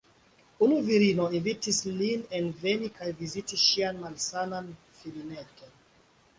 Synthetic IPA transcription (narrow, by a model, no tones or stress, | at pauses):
unuviɾinoinvitislinenvenikajvizitiʃianmalsanan | filineton